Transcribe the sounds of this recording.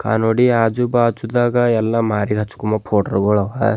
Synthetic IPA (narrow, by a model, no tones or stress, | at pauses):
kʰa̰ːnoːɽiaːd͡ʒubaːt͡ʃud̪aːɡɐɛlːɐmaːɾiɡɐt͡ʃːu̥kumɐpʰoːʈɐɾɡoɭɐʋa